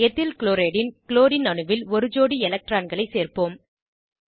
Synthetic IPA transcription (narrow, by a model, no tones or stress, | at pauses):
ɛt̪ːɪlkɪloːɾeːɽɪnkɪloːɾɪnɐɳɯʋɪlɔɾɯd͡ʒoːɽiɛlɐk̚ʈɾaːnɡɐɭɐɪseːrpoːm